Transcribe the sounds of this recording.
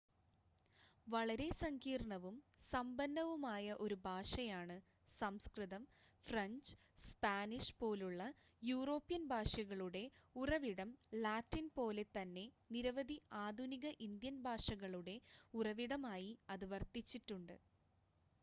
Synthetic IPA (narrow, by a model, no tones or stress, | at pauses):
ʋɐɭɐɾe̞sɐŋɡiːrɳɐʋumsɐmbɐnd̪ɐʋumaːjɐʔo̞ɾubʱaːʂɐjaːɳɨ | sɐmskrɨðɐmfrɐɲd͡ʑ | spaːniʂpo̞ːluɭːɐ | juːro̞ːpːjɐnbʱaːʂɐɣɐɭuɽe̞urɐʋiɽɐmlaːtːinpo̞ːle̞t̪ɐnːe̞niɾɐʋɐd̪ʱiaːd̪ʱuniɣɐʔind̪jɐnbʱaːʂɐɣɐɭuɽe̞urɐʋiɽɐmaːjiɐðuʋɐrt̪it͡ɕːiʈːuɳɖɨ̰